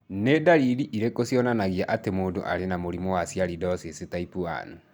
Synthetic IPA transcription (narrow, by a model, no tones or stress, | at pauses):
nedaɾiɾiʔiɾekosijɔnanaɣiaʔatemoːndo̰ʔa̰ɾenamoɾimɔwasiaɾidɔsesetaipua̰nu